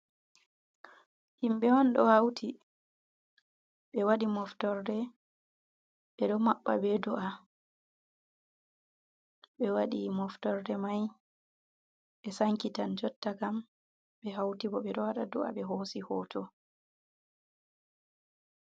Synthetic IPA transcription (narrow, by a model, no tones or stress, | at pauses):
himɓɛwɔnɗɔhawtʰi | ɓɛwaɗimɔftɔɾdɛ | ɓɛɗɔmaɓːa̰beduʔa | ɓɛwaɗimɔftɔɾdɛmaj | ɓɛsaŋkitand͡ʒɔtːakam | ɓɛɦawtibɔɓɛɗɔwaɗaduʔa̰ɓɛɦosihɔːtʰɔ